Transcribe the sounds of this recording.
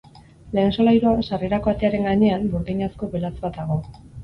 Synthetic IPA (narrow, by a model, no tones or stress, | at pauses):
le̞ːnso̞lajɾuansareɾako̞at̪e̞aɾe̞ŋɡaɲe̞ambuɾðiɲasko̞βelat͡sbat̪aɣ̞o̞